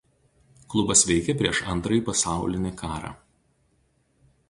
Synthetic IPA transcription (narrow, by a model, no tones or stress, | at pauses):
klˠʊbɐsʋʲɛɪkʲɛpʲɾʲiɛʃɐnt̪ɾɐjiˑpɐsɑˑʊlʲɪnʲɪkɑːɾɑ̰ː